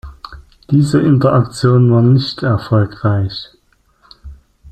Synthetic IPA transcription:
d̥iːzəʔɪntɐʔak̚t͡sjoːnvaːɐnɪçtɛɐfɔlkʁaɪç

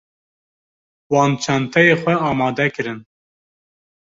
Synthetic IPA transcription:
wɑːnt͡ʃʰɛnt̪ʰɛjeːxʷwɛɑːmɑːd̪ɛkɨɾɨn

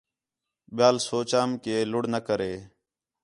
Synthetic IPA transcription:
ɓjaːlsoːt͡ʃaːmkeːlʊɽnəkəɾeː

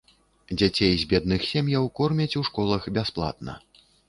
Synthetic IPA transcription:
d͡zʲat͡sʲejzʲbʲɛd̪nɨxsʲɛmjɐwkɔrmʲɐt͡sʲuʂkɔlˠɐxbʲasplˠa̰t̪̚nɐ̰

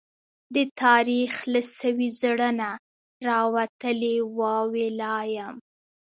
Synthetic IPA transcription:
d̪ət̪ʰɑɾixlasəwizɽəna | ɾɑwat̪əlewɑwelɑjam

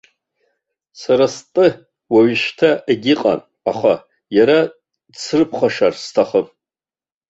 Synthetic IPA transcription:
saɾastʼɨ | waɥʃtʰaʔeɡʲɪqʼa̰n | aχa | jaɾa | t͡sʰrɨpʰχaʂarstʰaχəpʼ

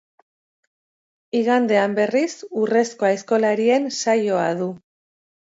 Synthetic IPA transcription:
iɣand̪e̞ambe̞risure̞sko̞aesko̞laɾie̞nsajo̞aðu

